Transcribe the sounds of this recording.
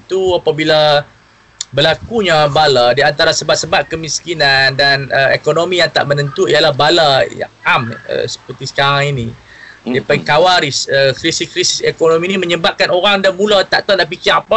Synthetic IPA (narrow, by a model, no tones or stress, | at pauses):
it̪uapabila | bəlakuɲabaladiant̪aɾasəbap̚səbap̚kəmiskinandanəḛkonomijaŋt̪a̰ʔmənənt̪uialahbalaja̰ŋamə̰sə̥pərt̪isə̥kaɾaŋinĩ | ddiapaikawaɾisəkɾisiskɾisi̥sekonomĩnimə̃ɲəbap̚kanoɾaŋdanmũlat̪aʔt̪andaʔpikiapa